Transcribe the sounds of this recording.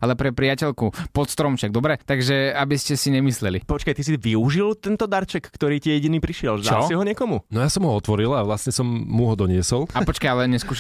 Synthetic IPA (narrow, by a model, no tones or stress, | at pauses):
alɛpɾɛpɾiacɛʎkupɔt̪st̪ɾɔmfʃaɡ̚d̪ɔbɾɛt̪aɡʒɛabiscɛsiɲɛmislɛlḭpɔt͡ʃkajt̪is̬iʋiuʒilt̪ɛnt̪ɔd̪aɾt͡ʃɛkːt̪ɔɾiːtiɛjɛɟiniːpɾiʃɪɛlʒd̪alsiɦɔɲɪɛkɔmunɔjaːsɔmɦɔɔt̪ʋɔɾilaʋlasɲɛsɔmːuɦɔd̪ɔɲɪɛsɔlˠapɔt͡ʃkajalɛɲɛskuːʃ